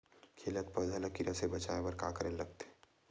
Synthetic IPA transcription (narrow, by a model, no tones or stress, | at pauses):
kʰeːlət̪̚pəd͡ʒʱələkiɾɐsebɐt͡ʃaːebɐɾkaːkəɾellːɐɡ̚t̪ː